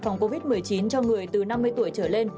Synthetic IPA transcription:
fa˨˩wŋ͡mko˧vi˦˥t̚mɨ˨˩əjt͡ɕi˨˦nt͡ɕɔ˧ŋɨ˨˩əjt̪ɨ˨˩na˧mːɨ˧əjt̪u˧˩əjt͡ɕəː˧˩le˧n

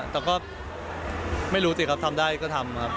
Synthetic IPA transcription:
t̪ɛː˨˩kɔː˥˩ | ma˥˩jɾuː˦˥t̪i˨˩kʰa˦˥p̚t̪ʰa˧mdaː˥˩jkɔː˥˩t̪ʰa˧mkʰa˦˥p̚

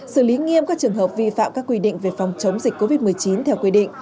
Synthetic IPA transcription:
sɨ˧˩li˨˦ŋi˧əmkaː˦˥k̚t͡ɕɨ˨˩əŋɦəː˨˩p̚vi˧fa̰ː˧˨mkaː˦˥kːwi˧ɗḭ̈˧˨ŋ̟ve˨˩fa˨˩wŋ͡mt͡ɕə˨˦wŋ͡mzi˨˩k̟̚ko˧˦vi˦˥t̚mɨ˨˩əjt͡ɕi˨˦nt̪ʰɛ˧wkwi˧ɗḭ̈˧˨ŋ̟

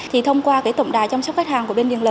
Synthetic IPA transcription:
t̪ʰi˨˩t̪ʰə˧wŋ͡mkwaː˧kaː˧˥jt̪ə̰˧˨wŋ͡mɗa̰ː˨jt͡ɕɔ˧wŋ͡msa˦˥k͡p̚faː˦˥t̚haː˨˩ŋku˧˩ɓe˧nvḭ˧˨ələː˨˩

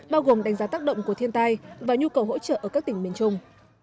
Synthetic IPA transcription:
ɓaː˧wɣo˨˩mɗa˨˩jŋzaː˨˦t̪aː˦˥k̚ɗə̰˧˨wŋ͡mku˧˩ət̪ʰi˧ənt̪aː˧jvaː˨˩ɲu˧kə˨˩wɦo̰˧˥t͡ɕə̰ː˧˨ʔəː˧˩ka˦˥kt̪ï˧˩ŋɓi˨˩ənt͡ɕʊ˧ŋ͡m

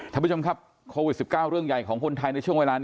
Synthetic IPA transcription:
k̪ʰaː˧˨˩t͡ɕo˧mkʰa˦˥p̚ | kʰoː˧wi˨˩t̪̚si˨˩kaː˥˩wɾɯ˥˩əŋja˨˩jkʰɔː˩˦ŋkʰo˧nt̪ʰa˧jna˧jt͡ɕʰu˥˩əŋweː˧laː˧n

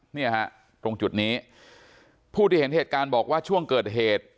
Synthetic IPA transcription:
niː˥˩ɐha˦˥ʔ | t̪ɾo˧ŋt͡ɕu˨˩t̪̚niː˦˥ | pʰuː˥˩t̪ʰiː˥˩he˩˦nheː˨˩t̪̚kaː˧nbɔː˨˩k̚waː˥˩t͡ɕʰu˥˩əŋkɤː˨˩t̪̚ɦeː˨˩t̪̚

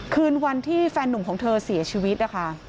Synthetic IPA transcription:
kʰɯː˧nwa˧nt̪ʰiː˥˩fɛː˧nːu˨˩˦mkʰɔː˩˦ŋt̪ʰɤː˧si˨˩˦ɐt͡ɕʰiː˧wi˦˥t̪̚na˦˥kʰa˦˥ʔ

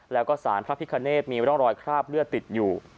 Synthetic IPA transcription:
lɛː˦˥wkɔː˥˩saː˩˦npʰɾa˦˥pʰi˦˥kʰa˧neː˥˩t̪̚miː˧ɾɔ˦˥˩ŋɾɔː˧jkʰɾaː˥˩p̚ɾɯ˥˩ət̪ːi˨˩t̪̚juː˨˩

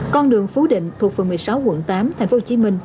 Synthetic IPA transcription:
kɔ˧nɗɨ˨˩əŋfu˨˦ɗḭ̈˧˨ŋ̟t̪ʰu˨˩k̚fə˨˩mɨ˨˩əjsa˨˦wkwə̰˧˩nt̪aː˨˦mt̪ʰŋ̟fo˦ho˨˩t͡ɕi˨˦mï˧ŋ̟

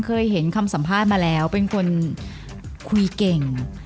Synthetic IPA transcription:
kʰɤː˧jɦe˩˦nkʰa˧msa˩˦mpʰaː˥˩t̪̚maː˧lɛː˦˥wpe˧nkʰo˧n | kʰu˧ke˨˩ŋ

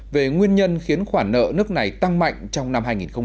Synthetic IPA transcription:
ve˨˩ŋwi˧ənɲə˧nxi˨˦ənxwaː˧˩nnə̰ː˧˨nɨ˦˥ək̚na˨˩jt̪a˧ŋma̰˧˨jŋ̟t͡ɕɔ˧wŋ͡mna˧mɦaː˧jŋi˨˩nxə˧ŋ͡m

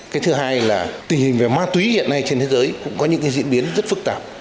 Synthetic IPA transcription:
kaː˨˦jt̪ʰɨ˨˦ɦaː˧jlaː˨˩t̪ï˨˩ŋ̟hï˨˩ŋ̟ve˨˩maː˧t̪wi˨˦zḭ˧˨nːa˧jt͡ɕe˧nt̪ʰe˨˦zəː˨˦jkʊ̰˧˥ŋ͡mkɔ˨˦ɲɨ̰˧˥ŋkːa˨˦zḭ˧ənɓi˨˦ənzə˦˥t̚fɨ˦˥k̚t̪aː˧˩p̚

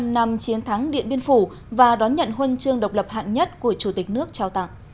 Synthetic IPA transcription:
na˨˩mt͡ɕi˨˦ənt̪ʰa˨˦ŋɗḭ˧˨ənɓi˧ənfu˧˩ | vaː˨˩ɗɔ˨˦nɲə̰˧˨nɦwə˧nt͡ɕɨ˧əŋɗə˨˩wk͡p̚lə˨˩p̚ha̰ː˧˨ŋɲə˦˥t̚ku˧˩ət͡ɕu˧˩t̪ï˨˩k̟̚nɨ˦˥ək̚t͡ɕaː˧wt̪a̰˧˨ŋ

